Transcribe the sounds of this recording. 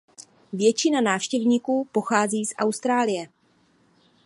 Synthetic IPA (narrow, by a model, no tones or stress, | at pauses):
vjɛt͡ʃɪnanaːfʃcɛvɲiːkuːpo̞xaːziːsʔa̰wst̪ɾaːlɪjɛ